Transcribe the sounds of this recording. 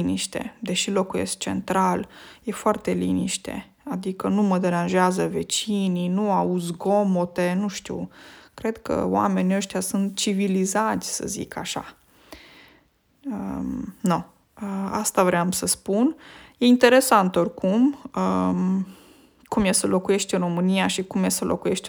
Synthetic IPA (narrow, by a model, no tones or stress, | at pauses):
iniʃt̪e̞̰d̪e̞ʃilo̞kujḛs̚t͡ʃe̞̰nt̪ɾalje̞foart̪e̞liniʃt̪e̞̰ | ad̪ikənuməd̪e̞ɾanʒeazəve̞t͡ʃininuaud̪zɡo̞mot̪e̞nuʃt̪ṵkɾe̞d̪kə̰wa̰me̞niəʃt̪ʲjasunt̪t͡ʃivilizat̪sʲsə̰zḭkaʃa̰ | əno | əast̪avɾeamsəspunje̞int̪e̞ɾe̞sant̪o̞rʲkumə | kumjesəlo̞kuje̞ʃt̪ʲɨro̞mɨniaʃikumjesəlʔo̞̰kuje̞ʃt̪